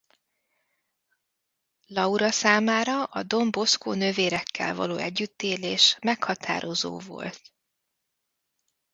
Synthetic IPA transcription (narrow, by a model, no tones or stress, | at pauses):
lɒuɾɒsaːmaːɾɒʔɒd̪o̞mbo̞skoːnø̞veːɾɛkʰːɛ̰lvɒ̰loːɛɟːyt̪ːeːleːʃmɛkhɒt̪ʰa̰ːɾo̞zo̰ːvo̰lt̪